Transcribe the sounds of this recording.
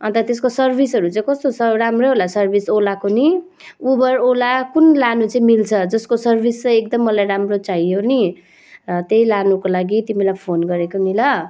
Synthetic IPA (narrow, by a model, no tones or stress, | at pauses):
ʌnt̪ʌt̪eskosʌrbʱisɦʌɾut͡sʌĩkʌst̪osʌramroɦolasʌrbʱisolakoni | ubʌrolakunlanut͡sʌĩmilt͡sʰʌd͡zʌskosʌrbʱist͡sʌjek̚d̪ʌmːʌlajɾamrot͡saioni | t̪ejlanukolaɡit̪imilajpʰonɡʌɾekomilʌ